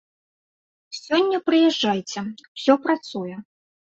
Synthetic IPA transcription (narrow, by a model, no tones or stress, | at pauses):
sʲɔnʲːɐpɾɨjɛʐːajt͡sʲɛwsʲɔpɾat̪sujɛ